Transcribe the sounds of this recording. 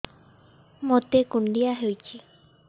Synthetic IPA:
mõt̪ekund̪iaɦejt͡ʃi

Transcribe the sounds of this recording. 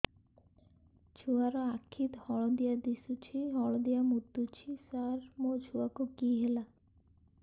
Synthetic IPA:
t͡ʃʰuaɾɔakʰːit̪hɔɭɔd̪ijad̪isut͡ʃʰiɦɔɭd̪ijamud̪ːut͡ʃʰisaɾmod͡ʒʰʱuakokiɦela

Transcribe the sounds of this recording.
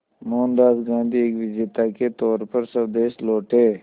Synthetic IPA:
moːnd̪aːsɡãːnd̪ieːkʋɪd͡ʒeːt̪aket̪ɔːɾpəɾsəd̪eːʃloːʈeː

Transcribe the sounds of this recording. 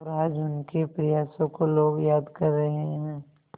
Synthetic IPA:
ɾaːd͡ʒʊnkepɾɪjaːsõkoloːɡjaːd̪kɐɾːəɦẽɦɛ̃ː

